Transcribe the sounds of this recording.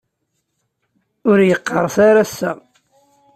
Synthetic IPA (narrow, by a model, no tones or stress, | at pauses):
ʊɾjəqːəɾˤsaɾæsːæ